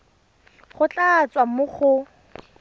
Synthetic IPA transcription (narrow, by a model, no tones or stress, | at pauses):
χʊt͡ɬat͡swamʊχʊ